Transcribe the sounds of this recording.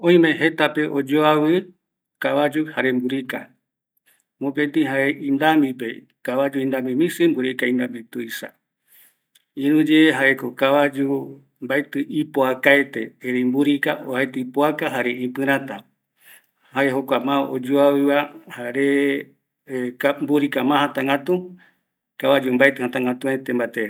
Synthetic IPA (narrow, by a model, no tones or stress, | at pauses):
õ̞ĩmẽ̞ɦe̞t̪ape̞ʔod͡ʒoaβɨ | kaβad͡ʒuhaɾe̞mbuɾika | mõpet̪ĩɦaeĩnd̪amipe̞ | kaβad͡ʒuĩnd̪amĩmĩsɨmbuɾikaĩnd̪ambit̪uisa̰ | ĩɾũd͡ʒeːɦaʔeko̞kaβad͡ʒu | mbajt̪ɨʔipoakaet̪eeɾembuɾikaʔoaet̪ɨipoakaɦaɾeʔĩpɨɾ̃ãt̪a | haeɦokʷamãod͡ʒuawɨβahaɾe | kambuɾikamãhɦãt̪ãŋɡat̪u | kaβad͡ʒumbajt̪ɨhãt̪ãŋɡat̪ũet̪embat̪eɾ